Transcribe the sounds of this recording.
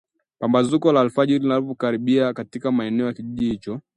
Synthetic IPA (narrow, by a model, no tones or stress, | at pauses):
pambazukɔlaːlfaʄiɾilinalipɔkaɾiɓiakatikamaɛnɛɔjakiʄiʄihit͡ʃɔ